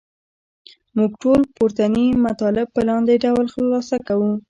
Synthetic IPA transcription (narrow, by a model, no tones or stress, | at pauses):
muɡʈolpoɾt̪animat̪ɑlɪb̚pəlɑnd̪eɖawlxlːɑsakawu